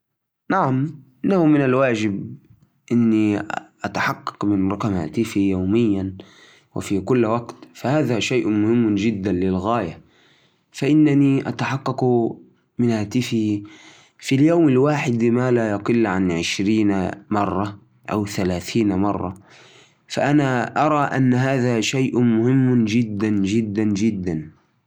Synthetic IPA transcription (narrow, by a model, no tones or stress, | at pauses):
naʕamʔɪnahʊmɪnalwaːd͡ʒɪb | ʔɪnːiʔat̪aħɑqːɑ̥qmɪnɾˤɑqɑmha̰ːt̪ɪfijawmɪjːan | wɪ̰fikʊlːwaɡt̪fahaːðaʃaːʔmʊhɪmːd͡ʒɪd̪ːanlɪlɣaːja | faʔɪnːaniʔa̰t̪aħɑqːɑq | mɪnhaːt̪ɪfɪh | filjawmɪlwaːħɪd̪maːlajɑqɨlːʕanʕɪʃɾiːnamɑrˤːɑ | ʔawθalaːθiːnmɑrˤːɑ | faʔanaʔɑɾˤɑʔanːaɦaːðaʃajʔmʊhɪmːd͡ʒɪd̪ːand͡ʒɪd̪ːand͡ʒɪd̪ːan